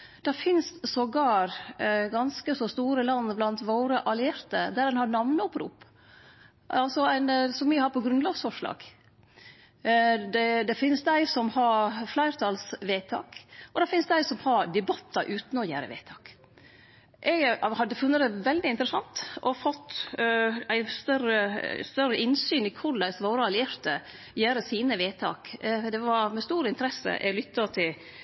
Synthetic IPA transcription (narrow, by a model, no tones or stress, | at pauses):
d̪̥ɛfɪnssɔɡɑːɾɡɑnskəsɔst̪uːɾəlɑnːblɑnt̪ʋoːɾəʔɑlɪeːɾt̪əd̪ædɛnhɑɾnɑʋnəʊpɾṵːp | ɑlsɔæɪnsɔmʋɪhɑɾpʰɔɡɾʉnlɑɡsfɔʂlɑ̰ːɡ̥ | d̪ɛd̪ɛfɪnsd̪æɪsɔmhɑɾflæɪɾt̪ʰɑlsʋeːt̪ʰɑ̰ːkʔɔd̪ɛfɪnsd̪æɪsɔmhɑɾd̪ɛbɑt̪ʰːɑʔʉːt̪nɔjæ̰ːɾə̰ʋḛːt̪ʰɑːk | ʔɛɡhɑd̪ːəfʉnːəd̪ɛʋɛld̪ɪɪnt̪əɾəsɑnt̪ɔfɔt̪ː | æɪst̪œɾəst̪œɾəʔɪnsyːnɪkʰʊɾd̪æɪsʋoːɾəɑlɪeːɾt̪ə | jæːɾəsiːnəʋeːt̪ʰɑ̰ːkd̪ɛʋɑɾmɛst̪uːɾəɪnt̪əɾɛsə̰ʔɛ̰ɡlʏt̪ʰːɑt̪ʰɪl